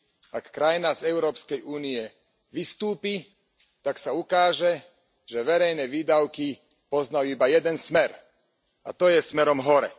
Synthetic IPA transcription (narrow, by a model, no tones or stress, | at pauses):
akːɾajnazɛʊɾɔːpskɛjuːniɛ | ʋist̪uːpi | t̪aksaukaːʒɛ | ʒɛʋɛɾɛjnɛʋiːd̪aʊki | pɔznajuibajɛd̪ɛnsmɛɾ | a̰t̪ɔjɛsmɛɾɔmɦɔɾɛ̰